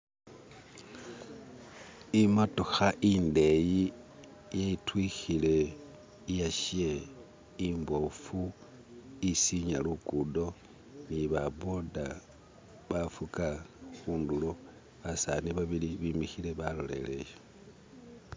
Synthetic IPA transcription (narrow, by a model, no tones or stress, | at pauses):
imotoxaʔinde̞ji | jeitwixile̞ | ijaʃje | imbo̞fu | isiɲalukudo̞ | niβabo̞da | βafukaxuːndulo | βasaniβaβiliβimixile̞βalo̰le̞̰lḛje